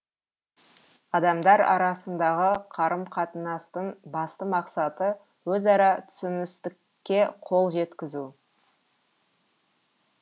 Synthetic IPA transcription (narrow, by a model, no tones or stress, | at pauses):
ɑd̪ɑmd̪ɑɾɑ̰ɾɑsənd̪ɑʁəqʰɑɾəmqʰɑt̪ənɑst̪əɴbɑst̪əmɑqsɑt̪ə | wɵzɑɾɑt̪ʰʏ̥sɪnɪst̪ɪkʲːe̞qʰo̞lˠʒe̞t̪kʲɪzu